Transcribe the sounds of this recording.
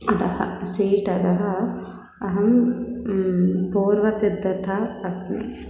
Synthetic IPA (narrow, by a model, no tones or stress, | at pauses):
ɐd̪ɐhɐ̰siːʈɐd̪ɐɦɐ | ɐɦɐm | puːɾʋɐsid̪ʱːɐt̪ʰaːɐsnḛ